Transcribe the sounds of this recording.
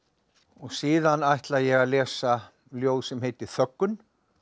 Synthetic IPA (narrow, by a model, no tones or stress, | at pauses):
ɔɣsiːðanajht̪laðjɛɣaðlɛːsa | ljoːwðsɛmheːjt̪ɪθœkːʏn